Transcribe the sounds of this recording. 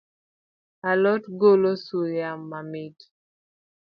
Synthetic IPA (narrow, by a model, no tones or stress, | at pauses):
alɔtɡolosujamːamɪd